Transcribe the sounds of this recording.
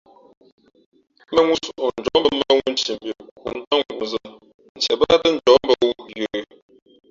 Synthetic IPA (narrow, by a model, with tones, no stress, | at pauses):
me˦ŋʷu˦so˨ʔo˨n̩˨d͡ʒɔ˨˦m˦bə˨m̩˦e˦e˦ŋu˦n̩˦t͡ʃi˨m˨bi˨kkṵ˨n̩˦ta˦ŋʷu˨u˨za˦ | nn̩˨t͡ʃɛ˨ba˦tə˦n̩˨d͡ʒɔ˨˦m̩˦bə˨wu˦˨jə˨˦˨